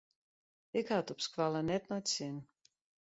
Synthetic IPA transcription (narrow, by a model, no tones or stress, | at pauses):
ikat̪upskvalˠanɛt̪̚nɔt̪sʲinʲ